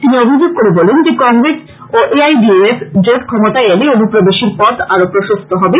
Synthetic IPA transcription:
t̪iniobʱid͡ʑoɡ̚koɾebɔlend͡ʑekɔŋɡɾes | oʔeajɖieefd͡ʑoʈkʰɔmot̪aeeleonupɾobeʃiɾpɔt̪aɾopɾoʃost̪ʰoɦɔbe

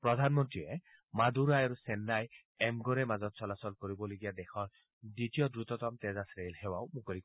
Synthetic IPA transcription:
pɹɔd̪ʱanmɔntɹiɛ | mad̪uɾajaɹusɛnːaj | ɛmɡɔɾɛmazɔt̪sɔlasɔlkoɹibɔloɡijad̪ɛxʰɔɹ | ditijɔdɹut̪ɔt̪ɔmt̪ɛzasɹelhɛwaʊmukolik

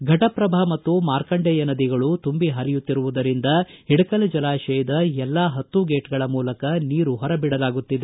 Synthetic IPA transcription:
ɡʱɐʈɐpɾɐbʱamɐt̪ːumaːɾkɐɳɖɛjɐnɐd̪iɡɐɭut̪umbiɦɐɾijut̪ːiɾuʋud̪ɐɾind̪ɐɦiɽɐkɐlɐd͡ʒɐlaːʃɛjɐd̪ɐɛlːaːɦɐt̪ːuɡeːʈɡɐɭɐmuːlɐkɐniːɾuɦɔɾɐbiɽɐlaːɡut̪ːid̪e

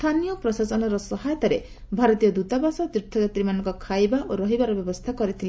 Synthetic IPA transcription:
t̪ʰanijɔpɾɔsasɔnɔɾɔsɔɦajɔt̪ɔɾe | bʱaɾɔt̪ijɔd̪ut̪abasɔt̪ɾut̪ʰːɔd͡ʒat̪ɾimanɔŋkɔkʰajbaʔoɾɔɦibaɾɔbjɔbɔst̪ʰakɔɾit̪ʰil

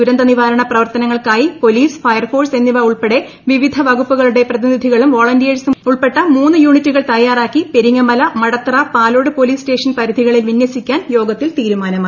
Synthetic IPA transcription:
uɾɐnd̪ɐniʋaːɾɐɳɐprɐʋɐrt̪ɐnɐŋːɐɭkaːjipo̞liːsfɐjɐrfoːrse̞nːiʋɐuɭpeɽe̞ | ʋiʋid̪ʱɐʋɐɣupːuɣɐɭuɽe̞prɐðinid̪ʱiɣɐɭumʋo̞ːɭɐndijeɾsuuɭpe̞ʈːɐmuːnːɨjuːɳitːuɣɐɭt̪ɐjːaːraːkːipe̞ɾiŋːɐmɐlɐmɐɽɐt̪rɐpaːlo̞ːɽɨpo̞liːsʈe̞ːʂɐnpɐɾud̪ʱiɣɐɭilʋinjɐsikʲːaːnjo̞ːɡɐt̪ːilt̪iːɾumaːnɐmaː

